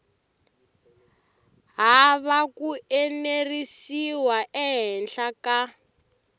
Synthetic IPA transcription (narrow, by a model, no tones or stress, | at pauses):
ɦaβakuenerisiwaʔɛɦɛnɬaka